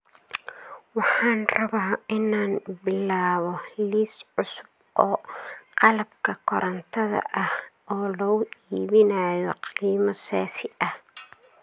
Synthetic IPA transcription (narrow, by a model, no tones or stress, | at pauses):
wɑħɑːnrɐβaːɪnaːnbɪlaːβɔliːsʕʊsʊb̚ | ʔɔːqɑlɐbkʰɐkʰɔɾɐnt̪ʰɐðɐ̰ʔɐhʔɔːlɔːʊʔiːβɪnaːjɔqiːmɐsɛːfɪʔɐh